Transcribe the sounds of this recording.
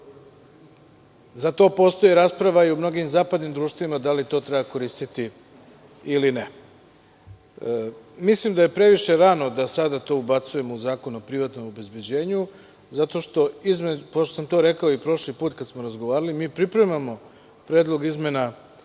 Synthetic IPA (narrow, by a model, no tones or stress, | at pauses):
zat̪o̞ːpo̞st̪ojeɾaːspɾaʋaiumno̞ɡimzaːpad̪nimd̪ɾuːʃt̪ʋoʋimad̪alit̪o̞ːt̪ɾebako̞ɾiːst̪it̪i | iline | mislimd̪aje̞pɾe̞ʋiʃe̞ɾano̞d̪asad̪at̪o̞ubat̪suje̞mouzaːkonuopɾiʋat̪no̞mobe̞zbjed͡ʑe̞ːɲu | zat̪o̞ʃt̪o̞izmed͡ʑupot̪osamt̪o̞ːɾe̞kaoipɾo̞ʃlipuːt̪kat̪smoɾazɡo̞ʋaːɾalimiːpɾipɾe̞mamo̞ | pɾe̞ːd̪lˠo̞ɡizme̞na